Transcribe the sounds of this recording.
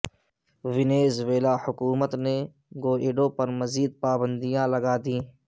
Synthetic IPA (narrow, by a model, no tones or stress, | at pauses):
ʋɪneːzʋeːlaːhʊkuːmət̪ne | ɡoːeːɖõːpɐɾmɐziːd̪̚paːbə̃nd̪ijãːlɐɡaːd̪ĩː